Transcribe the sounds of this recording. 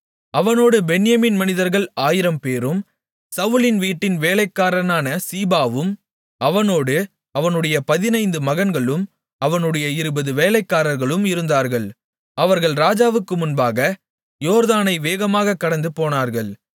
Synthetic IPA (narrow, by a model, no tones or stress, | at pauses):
ɐʋɐnoːɽɯbɛnɪjɐmiːnmɐnɪðɐɾɣɐɭaːjɪɾɐmpeːɾɯm | sɐʋɯlɪnʋiːʈːɪnʋeːlɐɪkːaːɾɐnaːnɐsiːbaːʋɯm | ʔɐʋɐnoːɽɯ | ɐʋɐnɯɽɐjɐpɐðɪnɐɪnd̪ɯmɐɣɐnɡɐɭɯm | ɐʋɐnɯɽɐjɐɪɾɯbɐðɯʋeːlɐɪkːaːɾɐɾɣɐɭɯmɪɾɯnd̪aːɾɣɐɭ | ɐʋɐɾɣɐɭɾaːd͡ʒaːʋɯkːɯmʊnbaːɣɐ | joːɾðaːnɐɪʋeːɣɐmaːɣɐkːɐɽɐnd̪ɯpoːnaːɾɣɐɭ